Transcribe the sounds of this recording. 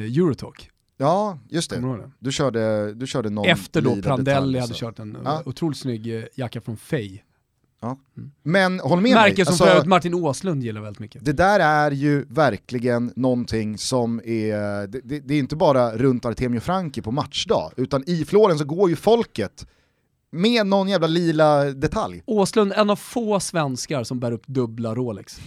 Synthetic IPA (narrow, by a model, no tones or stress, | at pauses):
jʉːɾʊt̪ʰo̰k | jɑːjɵst̪ʰɛ̰d̪ɵɕœːɖəd̪ɵɕœːɖənɔɛft̪əɖɔiːdp̪ɾand̪ɛlːɪhad̪ːəʃœːʈɛnɑːʊt̪ʰɾuːlɪt̪snʏɡːjakːafɾɔnfɛj | ɑː | mɛnhɔlːəmɛmæɾəsaɔmfsɔɾɪt̪maʈːɪnoslɵnd̪jɪlːaɾvɛlɪt̪mʏkːəd̪ɛd̪æːɾæɾjɵvæɾkʰlɪɡənːɔnt̪ʰɪŋːsɔmɛd̪ɛd̪ɛd̪ɛɾjɪnt̪əbɑːɾaɾɵnt̪aɾt̪ʰeːmɪʊfɾaŋkəpʰɔmat̪ʂɖ̪ɑ̰ːʉ̟ːt̪anɪfloːɾəns̬ɔɡoːɾjɵfɔlkət̪ | meːd̪nɔnːjæːvlaliːlad̪ɛt̪ʰa̰ljoːslɵnd̪ɛnːavfoːsvɛnskaɾsɔmbæːɾɵpːd̪ɵblaɾoːlɛ̰ks